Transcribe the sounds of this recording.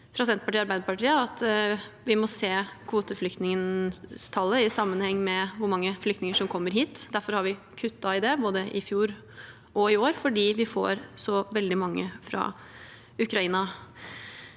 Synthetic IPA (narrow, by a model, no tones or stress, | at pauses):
fʰɾɑsɛnt̪̚pɑʈiːɑɾbæɪd̪əpɑʈʰiːəɑt̪ʋɪmɔseːkʰʋuːt̪əflʏk̚t̪nɪŋənst̪ʰɑlːəɪsɑmːənhɛŋːmɛʋʊɾmɑŋːəflʏkt̪nɪŋəʂɔmkʰɔmːəɾɦiːt̪d̪æɾfɔɾhɑɾʋɪ | kʰʉt̪ːɑɪd̪ɛboːd̪əʔɪfjuːɾ | ɔɪoːɾfɔɖiːʋɪfo̰ːɾsɔʋɛld̪ɪmɑŋːəfɾɑ̰ | ʉkɾɑiːnɑ